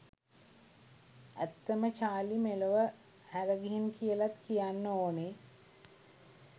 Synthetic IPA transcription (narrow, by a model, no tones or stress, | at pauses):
æ̰t̪ːəmət͡ʃaːlimeləʋə | hæɾəɡiɦinkijəlat̪kijanːəoːne